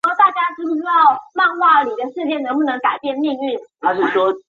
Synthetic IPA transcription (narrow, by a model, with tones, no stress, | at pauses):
t̪a˥˩t͡ɕja˥ʈ͡ʂ̩˥˧ʂɻ̩u˥˩ɑ˥˧˩ʊma˥˧nxwa˥˩ə˧˩ni˨˩d̪ə˦ʂɻ̩˥˧t͡ɕjɛ˥˩nə˧˥ŋpu˥˩nɤ˧˥ŋka˨˩ɪpjɛ˥˧nli˥˧ŋy˥˩nxa˧˥ʂɻ̩˥˩ʂwɔ˦˥